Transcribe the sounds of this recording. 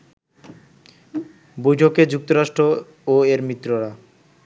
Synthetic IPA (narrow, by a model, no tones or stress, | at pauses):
bojʈʰoked͡ʑuk̚t̪oɾaʃʈɾo | oeɾmɾit̪ːɾoɾa